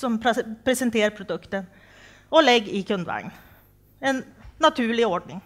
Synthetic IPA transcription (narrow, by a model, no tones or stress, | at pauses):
sɔmpʰɾɛsənt̪ʰeːɾpʰɾʊd̪ɵkt̪ən | ɔlɛɡːɪkʰɵnd̪ʋæ̰ɾŋn | ɛnːɑt̪ʰʉːɭɪɔɖɳɪŋ